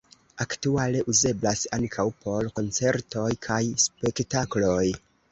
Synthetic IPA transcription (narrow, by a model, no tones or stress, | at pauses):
aktuale̞ʔuze̞blasaŋkʰawpʰo̞ɾko̞nt͡se̞ɾto̞jkʰajspe̞ktaklo̞j